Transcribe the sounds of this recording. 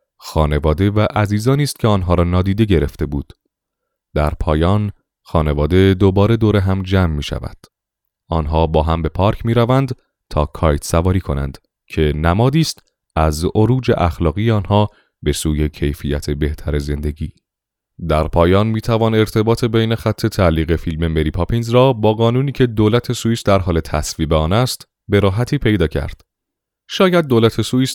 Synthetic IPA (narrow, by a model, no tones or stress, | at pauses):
xɒːne̞vɒːd̪e̞væʔæziːzɒːniːst̪̚cʰe̞ɒːnɦɒːɾɒːnɒːd̪iːd̪e̞ɟe̞ɾe̞ft̪e̞buːd̪̥ | d̪̥æɾpʰɒːjɒːn | xɒːne̞vɒːd̪ed̪obɒːɾe̞d̪oɾe̞ɦæmd͡ʒæːmːiːʃæ̰væ̰d̪̥ | ɒːnɦɒːbɒːɦæmbe̞pʰɒːɾcʰmiːɾævænd̪ | t̪ʰɒːkʰɒːjt̪sævɒːɾiːkʰo̞næ̰nd̪̥ | cʰe̞næmɒːd̪iːst̪ | æzʔoɾuːd͡ʒḛʔæxlɒːɣijeɒːnhɒː | be̞suːje̞cʰe̞jfijæt̪ʰe̞be̞ht̪ʰæɾe̞ze̞nd̪e̞ɟiː | d̪æɾpʰɒːjɒːnmiːt̪ʰævɒːne̞ɾt̪ʰe̞bɒːt̪ʰe̞bejne̞xæt̪ʰːe̞t̪ʰæliːɣe̞filme̞me̞ɾiːpʰɒpʰinzɾɒːbɒːɣɒːnuːniːcʰe̞d̪oːlæt̪ʰe̞suisd̪æɾɦɒːle̞t̪ʰæsviːbeɒːnæst̪ | be̞ɾɒːɦæt̪ʰiːpʰe̞jd̪ɒːcʰæ̰ɾd̪̥ | ʃɒːjæd̪̚ːolæt̪ʰe̞suis